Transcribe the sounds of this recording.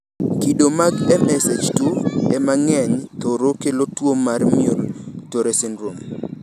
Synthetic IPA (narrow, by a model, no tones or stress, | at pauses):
kidomaɡɛmɛsed͡ʒtuɛmaŋɛɲt̪oɾokelotwomarmioltoɾesɪnɾom